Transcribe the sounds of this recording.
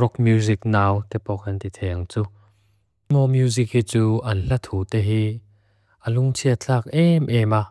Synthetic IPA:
rɔk̚mjuzik̚naːwt̪ɛpɔkɐnt̪it̪ʰɛŋt͡su | mɔmjuzik̚hit͡suːʔɐnɬɐt̪ʰuːt̪ɛɦi | ʔəluŋt͡sʰiət͡ɬʰaːk̚ʔɛmʔɛmaː

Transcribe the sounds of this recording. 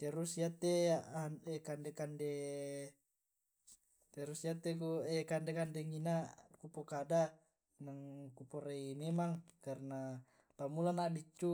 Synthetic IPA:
t̪ɛɾusiat̪eaanɛkandekande | t̪ɛɾusiat̪ekuɛkandekandeŋinakupokada | naŋkupoɾeimemaŋkarna | pamulanadit͡ʃːu

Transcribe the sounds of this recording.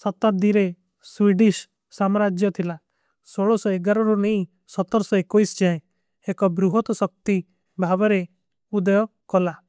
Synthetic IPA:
sɔt̪ad̪iɾe | suiɖis | samɾad͡ʒjɔt̪ʰila | soɭɔsɔeɡaɾɔɾunej | sɔt̪ːɔɾɔsɔekojsd͡ʒaẽ | ekɔbɾuɦɔt̪ɔsɔk̚t̪i | bʱabɔɾe | ud̪ɔjɔkɔla

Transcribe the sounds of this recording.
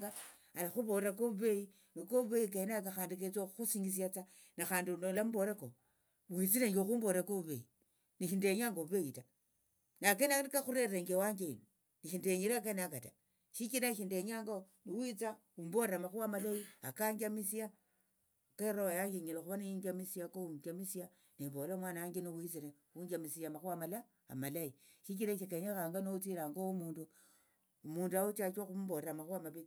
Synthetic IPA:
ɡa | alaxuβoɾakouβeji | nikoβeikaenak̬axaːndiket͡soxusiŋɡis̬iat͡sa | naxaːndinolamboɾako | wit͡sineɲɡoxuːmboɾakoβuβḛi | niʃindeɲaŋɡoβeita | nakenaikaxuɾereŋɡewaɲɡeino | niʃindeɲiɾakenakata | ʃikinaʃindeɲaŋɡo | niwit͡sa | umboɾeɾamaxuwamalaiakaɲɡamisia | keɾoajaŋɡiɲilaxuβanajiɲɡamisiakouɲɡamisia | nibolomwanaaŋɡeniwit͡siɾe | uɲɡamisiamaxwamala | a̰malai | ʃik̬iɾaʃikeɲaxaːŋɡanot͡silaŋɡoumuːndu | umuːnduawut͡ʃat͡ʃwaxumboɾamaxamaβi

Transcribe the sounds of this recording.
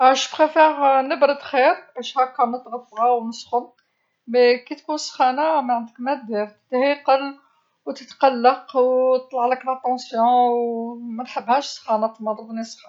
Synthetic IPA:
æʃbχefɛʁnəbɾəd̪xiɾʔæʃhækːæmət̪ɣɑfːɾɑwnəsxʊn | mekit̪kunsxænamæʕənd̪əkmæd̪iɾt̪ə̥t̪ːhiqəl | wt̪ət̪qɑlːɑqwt̪ˤlɑʕləkɾɑt̪ɑ̃sjɔ̃wmænħəbːhæʃsxɑnɑt̪mɑd̪ˤəb̪nisxɑ

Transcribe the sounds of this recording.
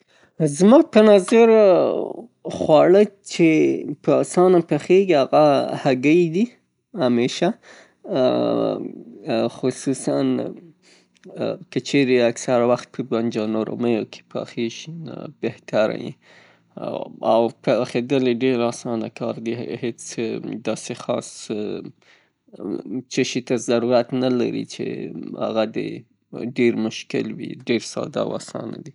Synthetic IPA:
zmɑɡ̚pənɑzɪɾ | xwɑɽət͡ʃepəɑsɑnapaxeɡiaɣahaɡəjd̪i | hameʃa | xʊsusa̰n | kət͡ʃʰeɾeaksaɾawaxt̪̚pʰəband͡ʒanoɾo̰məjokʰe̥pʰa̰xeʃinbeht̪aɾa̰jḭ | awpxed̪əleɖeɾɑsɑnakɑɾd̪ihet͡sd̪ɑsexɑs | t͡ʃəʃit̪azaɾuɾat̪nala̰ɾḭt͡ʃḛha̰ɣad̪ḛ | ɖeɾmʊʃkɪ̰lwḭɖeɾsɑ̰d̪a̰wa̰sɑ̰na̰d̪i

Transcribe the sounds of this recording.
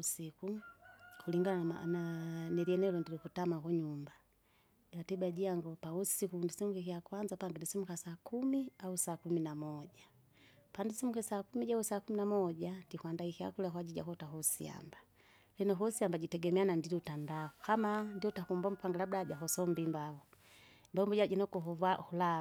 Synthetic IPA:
usiku | kuliŋɡana̰nanɛliɛnɛlɔndilikutamakɔɲumba | ɡatibaɟiaŋɡɔpausikundisimukikiakwanzapaŋɡɛndisimukasakumiausaːkuminamɔɟa | pandisimukisaːkumiɟausakuminamɔɟandikwandaikia̰kulakwaɟiɟa̰kɔtaɦusia̰mba | linɔɦusiambaɟitɛɡɛmɛanandiliutandaɔkamandiɔtakumbɔmpaŋɡalabdaɟaɦɔsɔmbimbaɔ | mbambɔɟaɟɛnɔkuuvahula

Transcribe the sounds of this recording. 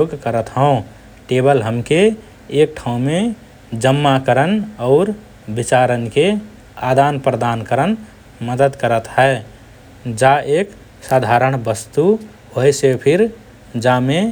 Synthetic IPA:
oɡkəɾət̪ɦə̃ʊ̃ | ʈebəlɦəmkeː | k̚ʈʰaũme | d͡ʒəmːakəɾənɔʊɾ | bit͡ʃaɾənke | ad̪anpɾəd̪ankəɾən | məd̪əd̪kəɾət̪ɦɛe | d͡ʒaek | sad̪ʱaɾəɳ̃bəst̪u | hojsepʰiɾ | d͡ʒame

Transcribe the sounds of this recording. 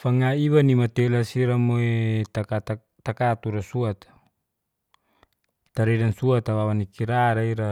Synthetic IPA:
faŋaiwanimat̪elasiɾamoet̪akat̪a | t̪akat̪uɾasuat̪ḁ | t̪aɾɛdansuat̪awawanikiɾaɾaiɾa

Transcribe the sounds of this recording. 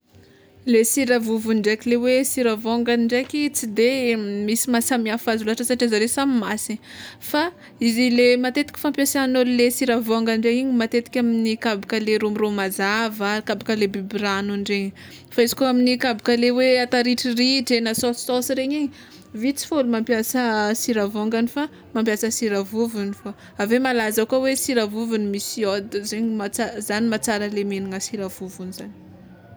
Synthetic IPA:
lesiɾavuvuɳɖ͡ʐekʲilewesiɾavoŋɡaniɳɖ͡ʐekʲit͡sid̪emisimasamiafazulaʈ͡ʂəsaʈ͡ʂizaɾesamimasi | fa | izilemat̪et̪ikʲi̥fampjasanolulesiɾavoŋɡaɳɖ͡ʐeiɲimat̪et̪i̥kʲaminikabukəleɾumiromazavaikabakəlebibiɾanuɳɖ͡ʐeɲi | faizi̥kuaminikabikəleweat̪aɾiʈ͡ʂiriʈ͡ʂenəsososɾeɲiɲi | vit͡si̥folumampjasəsiɾavoŋɡanifa | mampjasəsiɾavuvunifa | avemalazakuawesiɾavuvunimisiod̪zeɲimat͡sazanimat͡saɾəlemeniŋəsiɾavuvunizani̥

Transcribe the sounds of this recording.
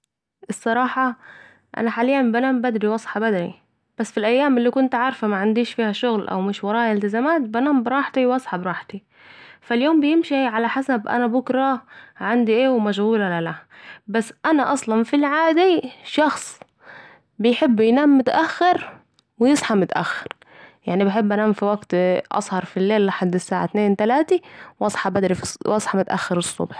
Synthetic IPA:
ʔɪsˤːɑɾˤɑːħɑ | ʔa̰naħaːlɪjːambanaːmbad̪ɾiwɑsˤħɑbad̪ɾḭ | b̥asːfilʔajːaːmɪlːiːkʊnt̪ʕɑːɾˤfamaʕand̪iːʃfiːhaʃʊɣlʔa̰wmɪʃwɑɾˤɑːʔɪlt̪ɪzamaːt̪̚banaːmbɾˤɑːħt̪iwɑsˤħɑbɾˤɑːħt̪i | faljoːmbɪjɪmʃiʕalaħasabʔa̰nabʊkɾˤɑʕand̪iʔeːwmaʒhuːlalalabasːʔanaʔɑsˤlɑnfilʕaːd̪iʃɑxsˤ | bɪjħɪbːjnaːmːʊt̪ʔaxːɪɾ | wɪjɪsˤħɑmʊt̪ʔa̰xːɪ̥ɾ | jaʕnibɪħɪbːanaːmfiwaɡt̪ʔɑ̰sˤhɑɾˤfilːeːlʔaħad̪ːɪsːaːʕa̰t̪neːnt̪alaːt̪iwʔɑsˤħɑbad̪ɾifiwɑsˤħɑmʊt̪ʔa̰xːɑɾɨsˤːʊ̰bħ

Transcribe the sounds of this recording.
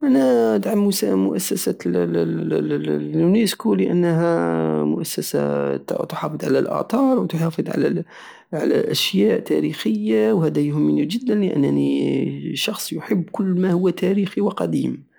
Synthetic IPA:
ʔænæt̪ʕamːusæmʊʔæsːæsæ | uneskuləʔə̰nːɦæmʊʔæsːæsa̰t̪ħɑfɨd̪ˤʕa̰læ̰lʔɑ̰t̪ˤɑɾˤwt̪ħɑːfɨd̪ˤʕa̰læ | ʕa̰læ̰ʔæʃjæʔt̪æɾixəjːawhæd̪æjhʊmənid͡ʒəd̪ːænləʔə̰nːni | ʃɑxsˤjʊħəbːkʊlːmæhʊwːæt̪æɾixiwɑqɑd̪iːm

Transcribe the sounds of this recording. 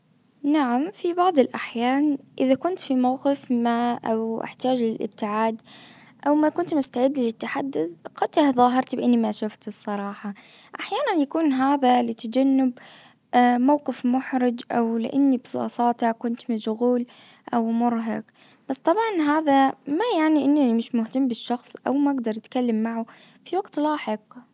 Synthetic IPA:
naʕamfibɑʕd̪ˤɨlʔaħjaːnʔɪðakʊnt̪fimawqɪfmaʔawʔa̰ħt̪aːd͡ʒlɪlʔɪ̰bt̪ɪʕaːd̪ | ʔawmakʊnt̪mʊst̪aʕɪd̪ːlɪt̪ːaħad̪ːʊθqɑt̪ːaðˤɑːɦɑɾˤt̪bʔanːimaʃʊft̪ɨsˤːɑɾˤɑːħɑʔaħjaːnanjakuːnɦaːðalɪt̪ad͡ʒanːɪb | mawqɪfmʊħɾɪd͡ʒʔawlɪ̰ʔanːibsˤɑ̰ːsˤɑːt̪akʊnt̪mɪʃʊɣuːl | ʔawmʊɾˤɦaɡ | b̥ast̪ˤɑbʕɑnɦaːðamajaʕniʔɪnːanimɪʃmʊht̪amːbɪʃːɑxsˤʔawmaʔaɡd̪ɑɾˤt̪kalːamːaʕʊfiwaɡ̥t̪lɑːħɪq̚

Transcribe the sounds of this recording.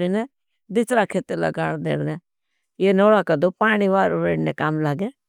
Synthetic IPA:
ɾiːnɛ | d̪ɪsɾaːkʰeːt̪elə̰ɡaːɽd̪ḛːɽnɛː | jeːnoːɽaːkəd̪oːpaːɽ̃iːʋaːɾʊʋeːɽnekamlaːɡɛː

